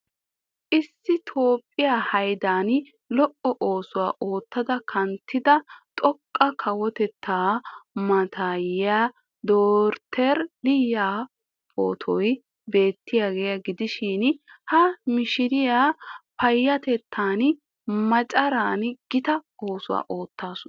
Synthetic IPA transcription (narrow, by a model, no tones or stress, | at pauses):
ʔɪsːɪt̪ʰo̞ːpʼːɪjaːhɐjd̪aːn | lɔʔːɔʔoːsʊwa̰ːʔo̞ːt̪ːɐd̪ɐkʰɐnt̪ːɪd̪ɐt̪ʼɔkʼːɐkʰɐwɔt̪ɛt̪ʰːaːmɐt̪ʰaːjaː | d̪oːɾt̪ʰɛɾlɪjːaː | pʰo̰ːt̪ʰɔj | be̞ːt̪ːɪjaːɡeːjɐɡɪd̪ɪʃɪnhɐmɪʃɪɾɪjaːpɐjːɐt̪ɛt̪ʰːaːn | mɐt͡ʃʼɐɾaːnɡ̥ɪt̪ɐoːsʊwa̰ːʔo̞ːt̪ːaːsʊn